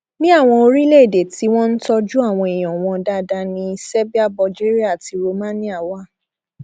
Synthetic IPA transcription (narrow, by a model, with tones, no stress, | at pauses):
nĩ˦a˦˨w̃ɔ̃˧o˧ɾi˦le˦˨de˨ti˨˦w̃ɔ̃˦n̩˦tɔ˧d͡ʒu˦a˦˨w̃ɔ̃˧i˨j̃ɔ̃˨w̃ɔ̃˧da˧da˧nĩ˧˦sɛ˦bi˦a˦˨bɔ˧d͡ʒe˦ɾi˦a˦˨ti˧ɾo˧mã˦nĩ˦a˦˨wa˦˨